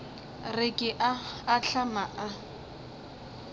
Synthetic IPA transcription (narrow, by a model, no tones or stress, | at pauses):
rɪkʼɪʔaːɬamaʔa